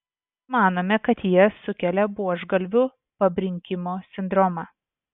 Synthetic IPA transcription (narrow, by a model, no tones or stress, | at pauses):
mɑːnoːmʲɛkɐt̪jiɛsʊkʲɛlʲɛbuɔʒɡɐlʲʋʲʊ | pɐbʲɾʲɪŋʲkʲɪmoːsʲɪnd̪ɾɔmɑː